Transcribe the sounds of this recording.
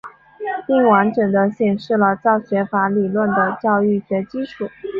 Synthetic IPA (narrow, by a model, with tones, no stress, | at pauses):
pi˥˩ŋwa˧˥nʈ͡ʂɤ˨˩ŋd̪ə˦ɕjɛ˨˩nʂɻ̩˥˩lə˩t͡sɑ˥˩ʊɕɥɛ˧˥fa˧˥li˨˩lwə˥˩nd̪ə˩t͡ɕjɑ˥˧ʊy˥˩ɕɥɛ˧˥t͡ɕi˥ʈ͡ʂʰu˨˩˦